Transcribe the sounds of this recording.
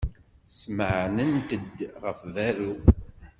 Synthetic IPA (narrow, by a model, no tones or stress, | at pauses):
sməʕnənt̪əd̪ʁəfvæɾu